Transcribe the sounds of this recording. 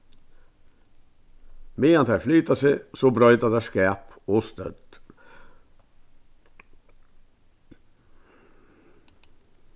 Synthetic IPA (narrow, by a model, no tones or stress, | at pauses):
meːɑnt̪ʰɛflyːt̪ɑsɛsobɾœʏt̪ɑd̪ɛskæːpoːst̪œ̰d̪